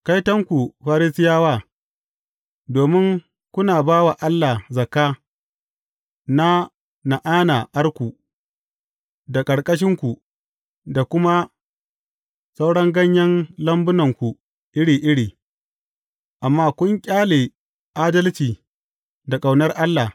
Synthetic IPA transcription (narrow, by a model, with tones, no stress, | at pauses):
ka˦jtɐ˦ŋkʷu˨ɸaː˦ɾɪ˦sɪ˦jaː˦waː˦˨ | doː˨mɪ˦ŋ | kʷʊ˦naː˨baː˦wa˨ʔa˦lːa˨zɐ˨kaː˦ | na˦ | na˨ʔaː˦naː˨ʔa˦rkʷu˨ | da˨kʼɐ˨ɽkʼɐ˦ʃ̬ɪ˦ŋkʷu˨ | da˨kʷʊ˦ma˦ | sɐ˦wɽɐ˦ŋɡɐ˦ɲjɐ˦nlɐ˦mbʊ˦nɐ˨ŋkʷu˨ | ʔɪ˦ɽiː˨ʔɪ˦ɽiː˨ | ʔa˨mːaː˦kʷʊ˦ŋkʲʼaː˦leː˨ | ʔaː˦dɐ˦lt͡ʃiː˨ | da˨kʼa˨wnɐ˦rʔa˦lːa˨